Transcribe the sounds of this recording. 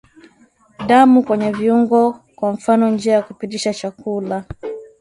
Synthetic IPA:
damukwɛɲɛviuŋɡɔ | kwaɱ̩fanɔnd͡ʒiajakupitiʃat͡ʃakula

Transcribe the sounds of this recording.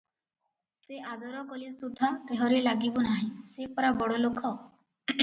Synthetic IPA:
seʔad̪ɔɾɔkɔlisud̪ʱat̪eɦɔɾelaɡibɔnaɦĩsepɔɾabɔɽolokʰɔ

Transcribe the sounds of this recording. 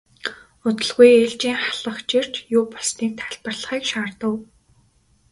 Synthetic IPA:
ʊt̪ɵ̆ɮɣujeɮt͡ɕiːŋχaɮə̆χt͡ɕir̥t͡ɕjʊːpɔsniːk̚t̪ʰḁɮpə̆rɮə̆χiːkʃaːrt̪ə̆w

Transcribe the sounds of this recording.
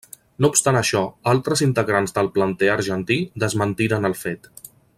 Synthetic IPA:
noupst̪anəʃɔalˠt̪ɾəzint̪əɣɾanzðəlˠplənt̪ɛəɾʒənt̪id̪əzmənt̪iɾənəlˠfet̪

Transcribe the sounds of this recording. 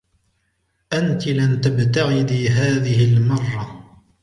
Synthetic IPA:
ʔant̪ɪlamt̪abt̪aɣɪd̪iːɦaːðɪhɪlmɑrˤːɑ

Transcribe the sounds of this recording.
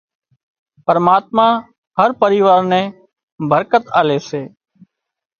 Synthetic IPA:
pəɾmaːt̪̚mãː | həɾpəɾiːʋaːɾnɛ̃ː | bʱəɾkət̪aːleːseː

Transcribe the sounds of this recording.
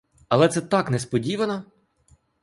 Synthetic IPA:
ɐlˠɛt̪sɛt̪ɑknɛspɔdʲiʋɐnɔ

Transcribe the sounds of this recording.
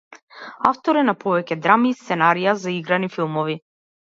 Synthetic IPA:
aft̪ɔɾɛnapɔvɛcɛd̪ɾamiːst̪sɛnaɾijazaiɡɾanifilˠmɔvi

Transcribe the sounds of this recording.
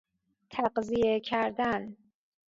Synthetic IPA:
t̪ʰæɢzijekʰæɾd̪æn

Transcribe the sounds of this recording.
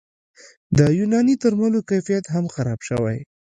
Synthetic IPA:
d̪əjunɑnit̪əɾmalokajfijat̪ɦamxaɾɑb̥ʃəwa̰j

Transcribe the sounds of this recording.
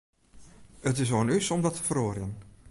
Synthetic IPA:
ətɪsʋoːnysɔmdɑtʰə̥vəɾoːrjən

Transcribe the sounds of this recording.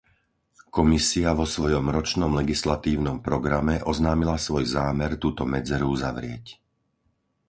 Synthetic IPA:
kɔmisiaʋɔsʋɔjɔmɾɔt͡ʃnɔmlɛɡislat̪iːʊnɔmpɾɔɡɾamɛʔɔznaːmilasʋɔjzaːmɛɾt̪uːt̪ɔmɛd͡zɛɾuuzaʋɾɪɛc

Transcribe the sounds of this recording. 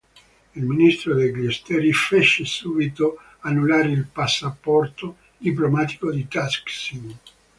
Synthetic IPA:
ilminist̪ɾod̪ejɡlest̪ɛɾifeʃːesubit̪o | anːulaːɾeilpasːapɔrt̪o | d̪ip̬lomaːt̪i̥kod̪it̪asksin

